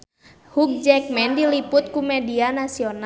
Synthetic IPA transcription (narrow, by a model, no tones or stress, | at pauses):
huk̚d͡ʒɛk̚mɛndilipʊt̪̚kumɛdianasiona